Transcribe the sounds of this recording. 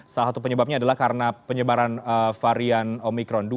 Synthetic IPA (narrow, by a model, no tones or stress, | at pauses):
salasat̪upəɲəbap̚ɲaːdalahkaɾənapəɲəbaɾanəfaɾianomikɾɔndu